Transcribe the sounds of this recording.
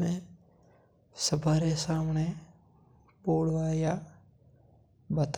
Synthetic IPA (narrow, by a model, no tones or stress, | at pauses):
ẽ | səbʱaɾesaːmne | poːɽʋaːja | bət̪